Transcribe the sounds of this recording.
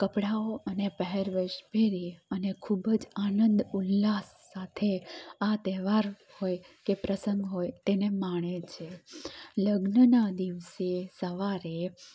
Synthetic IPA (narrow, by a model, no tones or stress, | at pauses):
kəpɽaoʔənepəɦɛɾʋəʃbʱeɾiənekʰubəd͡ʒanənd̪ulːasːat̪ʰeat̪ɛʋaɾ | hojkepɾəsə̃ŋɡɦojt̪enemaɳ̃et͡ʃʰeləɡnənad̪iʋsesəʋaɾe